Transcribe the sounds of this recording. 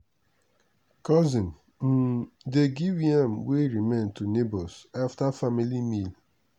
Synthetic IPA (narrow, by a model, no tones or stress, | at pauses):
kɔzĩn̩ | deɡiwiamweɾimẽntunebɔsaftafamilimil